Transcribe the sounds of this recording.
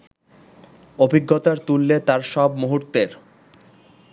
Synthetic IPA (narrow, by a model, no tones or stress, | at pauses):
obʱiɡːot̪aɾt̪ulːet̪aɾʃɔbmuɦuɾt̪eɾ